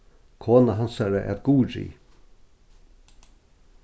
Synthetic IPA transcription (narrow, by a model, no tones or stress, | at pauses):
kʰoːnaɦansaɾaʔɛ̰ɾɡuːɾḭ